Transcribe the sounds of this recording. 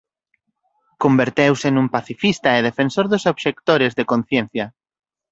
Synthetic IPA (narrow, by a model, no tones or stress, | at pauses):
kombeɾt̪ewsenũmpaθifist̪aeðefensoɾðʊsoβʃek̚t̪oɾezðekonθjenθjɐ